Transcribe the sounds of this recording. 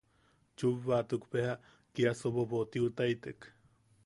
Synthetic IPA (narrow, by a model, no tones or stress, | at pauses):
t͡ʃuβːat̪ukpeha | kiasoβobot̪iut̪ajt̪ek